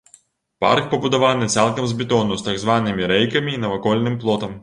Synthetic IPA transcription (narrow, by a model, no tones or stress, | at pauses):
pa̰rkpɐbud̪avanɨt̪salˠkɐmzbʲɛt̪ɔnust̪aɡzvanɨmʲiɾɛjkɐmʲiːnɐvakɔlʲnɨmplˠɔt̪ɐm